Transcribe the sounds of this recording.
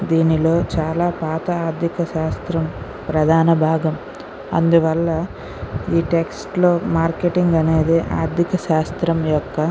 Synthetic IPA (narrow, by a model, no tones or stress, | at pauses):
d̪iːnilo̞ːt͡ʃaːlaːpaːt̪ɐaːɾd̪ʱikɐʃaːst̪ɾɐm | pɾɐd̪ʱaːnɐbʱaːɡɐm | ɐ̰nd̪uʋɐlːɐ | iːʈeksʈlo̞ːmaːɾkeʈiŋɡɐne̞ːd̪iʔa̰ːɾd̪ʱikɐʃaːst̪ɾɐmjɔkːɐ